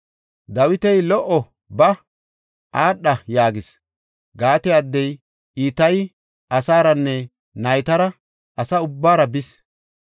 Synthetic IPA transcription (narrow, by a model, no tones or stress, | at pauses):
d̪ɐwɪt̪ɛjlɔʔɔ | bɐ | ʔaːɗːɐjaːɡɪs | ɡaːt̪ɛɐd̪ːɛj | iːt̪ɐj | ɐsaːɾɐnːɛ | nɐjt̪ɐɾɐ | ʔɐsɐʊbːaːɾɐbɪs